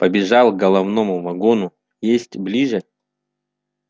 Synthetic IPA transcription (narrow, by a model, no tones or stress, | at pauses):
pəbʲɪʐɑlˠɡɐlˠɐvnomʊvɐɡonʊ | jesʲtʲblʲiʐə